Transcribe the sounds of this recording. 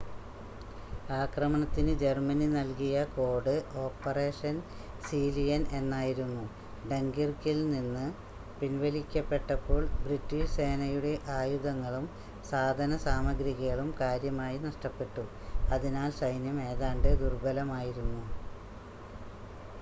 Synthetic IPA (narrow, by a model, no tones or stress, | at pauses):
aːkrɐmɐɳɐt̪ːinɨd͡ʑe̞rmɐninɐlkijɐko̞ːɽɨo̞ːpːɐre̞ːʂɐn | siːlijɐne̞nːaːjiɾunːu | ɖe̞ŋɡirkilninːɨ | pinʋɐlikʲːɐpːe̞ʈːɐpːo̞ːɭbritːiʂse̞ːnɐjuɽe̞ʔaːjuðɐŋːɐɭum | saːd̪ʱɐnɐsaːmɐɡɾiɣɐɣɐɭumkaːɾjɐmaːjinɐʂʈɐpːe̞ʈːu | ɐðinaːlsɐjnjɐme̞ːðaːɳɖɨd̪urbɐlɐmaːjiɾunːu